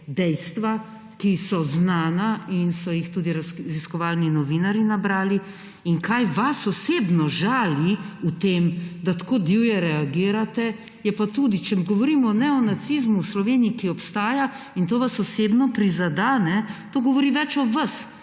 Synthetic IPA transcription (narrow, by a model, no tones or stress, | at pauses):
d̪ɛjst̪ʋa | kisɔznaːnainsɔjixt̪uːd̪iɾaziskɔʋalninɔʋiːnaɾinabɾaːli | iŋkajʋasɔseːbnɔʒaːliut̪eːmd̪at̪akoːd̪iwjɛɾɛaɡiːɾat̪ɛjɛpat̪uːd̪it͡ʃɛmɡɔʋɔɾiːmɔnɛɔnat̪sizmuwslɔʋeːniikiɔpst̪aːja | int̪oːʋasɔsebnɔpɾizad̪anɛt̪oːɡɔʋɔɾiʋɛt͡ʃɔʋas